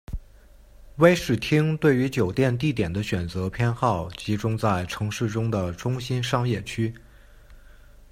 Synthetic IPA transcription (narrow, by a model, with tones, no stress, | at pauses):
we˥ɪʂɻ̩˥˩t̪ʰi˥ŋt̪we˥˩ɪy˧˥t͡ɕjo˨˩ʊt̪jɛ˥˧nt̪i˥˩t̪jɛ˨˩nd̪ə˦ɕɥɛ˨˩nt͡sɤ˧˥pʰjɛ˥nxɑ˥˩ʊt͡ɕi˧˥ʈ͡ʂʊ˥ŋt͡sa˥˩ɪʈ͡ʂʰɤ˧˥ŋʂɻ̩˥˩ʈ͡ʂʊ˥ŋd̪ə˨ʈ͡ʂʊ˥ŋɕi˥nʂɑ˥ŋjɛ˥˩t͡ɕʰy˥